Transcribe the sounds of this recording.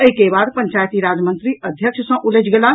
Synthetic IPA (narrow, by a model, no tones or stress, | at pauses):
əɦikebad̪pəɲt͡ʃajt̪iɾad͡ʒmənt̪ɾiəd̪ʱjəkʃʰsə̃ʔuled͡ʒɡela